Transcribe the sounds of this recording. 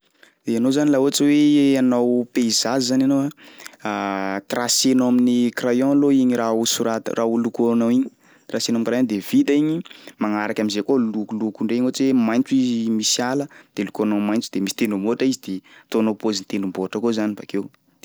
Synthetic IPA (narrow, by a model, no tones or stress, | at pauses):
d̪̥eanozanilaot͡siweanawpeizazzananoaat̪rasenaminikrajɔ̃loiɲiɾausuɾat̪ə̰rʔaulukonawiɲi | t̪rasenomkrɾaɔ̃nd̪ev̥it̪aiɲimaŋaɾakamizekolukulukuɳɖ͡ʐeiɲot͡swemajnt͡suizmisjaləd̪̥elukonawmajnt͡sud̪̥emisi̥t̪enumoʈ͡ʂaizid̪et̪onopozint̪enumboʈ͡ʂəkozaniba̰kew